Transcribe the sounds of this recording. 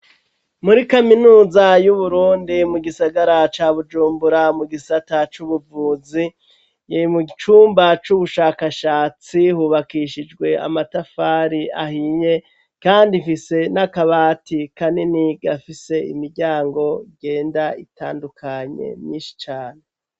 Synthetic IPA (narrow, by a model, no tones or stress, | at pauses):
muɾikaminuːzajuβuɾuːndimuɡisaɡaɾat͡ʃaβud͡ʒuːmbuɾamuɡisatat͡ʃuβuvuːzi | jeimut͡ʃuːmbat͡ʃuβuʃaːkaʃaːt͡sihuβakiʃid͡ʒɡwe̞a̰matafaɾiahiɲe̞ | kaːndifise̞nakaβaːtikaniniɡafise̞ḭmiɾɟaːŋɡo̞iɡe̞ːndaita̰ːndukʰaɲe̞̰mjiːʃi̥t͡ʃaːne